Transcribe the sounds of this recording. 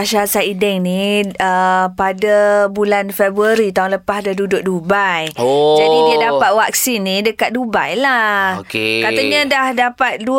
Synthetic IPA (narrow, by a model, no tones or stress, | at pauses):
aʃaasaidɛŋniəpadabulanfɛbɾuaɾit̪aunləpasdadudʊk̚dubajd͡ʒadidiadapat̪̚wak̚sinːĩdəkat̪̚dubajlakkat̪aɲãdahdapat̪̚du